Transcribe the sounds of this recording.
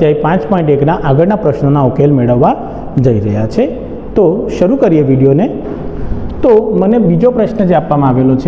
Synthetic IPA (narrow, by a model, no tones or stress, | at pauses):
t̪jaipãt͡ʃpɔĩɳʈeknaʔaɡəɾnapɾəʃnonaokelmeɭəʋːa | d͡ʒəiɾəɦjat͡ʃʰe | t̪oʃəɾukəɾijeʋiɽijone | t̪omənebid͡ʒopɾəʃnəd͡ʒeapʋamãaʋelot͡ʃʰe